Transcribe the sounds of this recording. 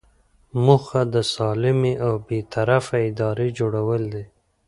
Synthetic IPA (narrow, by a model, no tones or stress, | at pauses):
muxad̪əsɑlɪmeʔawbet̪ʰaɾafaɪd̪ɑɾed͡ʒoɽawəld̪e